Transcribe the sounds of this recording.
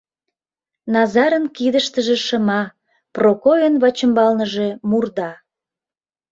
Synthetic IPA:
nɑzɑɾənkid̪əʃt̪əʒe̽ʃəmɑ | prokojənβɑt͡ɕəmbɑlnəʒe̽murd̪ɑ

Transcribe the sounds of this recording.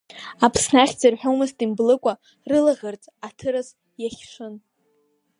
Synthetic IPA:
apʰsnaχʲd͡zɨrħᶣawmɨstʼimblɨkʷʼa | rɨlaʁʲart͡sʼatʰɨɾaz | jaχʲʂʷɨn

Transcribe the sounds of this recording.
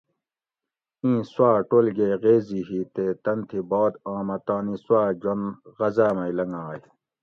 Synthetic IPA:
ĩːswaːʈoːlɡeːɣeːziɦiːt̪eːt̪ɐnt̪ʰibɔːd̪ãːmɐt̪ãːniswaːd͡ʑonɣɐzaːmɐilɐŋaːj

